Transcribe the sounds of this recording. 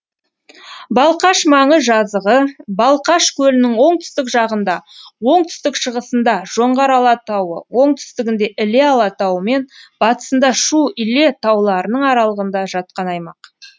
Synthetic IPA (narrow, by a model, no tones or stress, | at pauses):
bɑlˠqɑʃmɑɴəzʒɑzəʁəbɑlˠqɑʃkʲʰɵlɪnɪŋwo̞ɴt̪ʰʏ̥st̪ɪkʒɑʁənd̪ɑwo̞ɴt̪ʰʏ̥st̪ɪkʃəʁəsənd̪ɑʒ̥o̞ɴʁɑɾɑlˠɑt̪ɑwə̰wo̞ɴt̪ʰʏ̥st̪ɪɡʲɪnd̪e̞ʔɪle̞ɑlˠɑt̪ɑwəme̞nb̥ɑt̪ə̥sənd̪ɑʃuʏle̞t̪ʰɑwlˠɑɾənəɴɑɾɑlˠəʁənd̪ɑʒɑt̪̚qɑnɑjmɑq